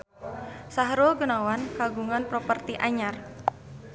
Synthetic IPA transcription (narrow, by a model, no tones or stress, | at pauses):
saɦɾulɡunawankaɡuŋanpɾopərt̪iʔaɲar